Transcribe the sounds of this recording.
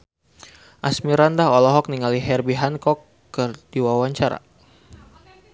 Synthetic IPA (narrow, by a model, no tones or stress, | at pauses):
ʔasmiɾandaɦɔlɔɦɔk̚niŋaliɦɛrbiɦankɔkː | ərdiwawaɲt͡ʃaɾa̰